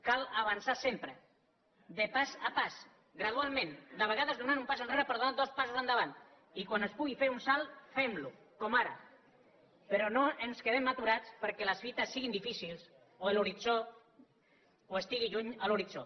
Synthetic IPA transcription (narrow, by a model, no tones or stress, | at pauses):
kalaβ̞ansasempɾə | d̪əpazapas | ɡɾað̞ualˠmẽnd̪əβ̞əɣ̞aðəzðunanumpasənreɾəpəɾðunad̪ospasuzand̪əβant̪ | ikwanespuɣifeɾunsalˠfemlu | kɔmaɾə̰ | peɾɔnoʔenskeð̞emːat̪uɾat͡spəɾkɛləsfit̪əsːiɣind̪ifisilˠs | oeluɾit͡ʃo | oest̪iɣiʒuɲaluɾit͡ʃo